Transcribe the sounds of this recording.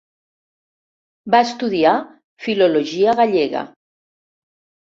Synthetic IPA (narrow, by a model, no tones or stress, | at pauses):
baəst̪uðia | filoloʒiaɣaʎeɣa̰